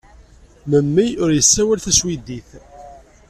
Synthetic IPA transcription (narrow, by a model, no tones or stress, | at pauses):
məmːiʊɾjəsːæwælθæswid̪iθ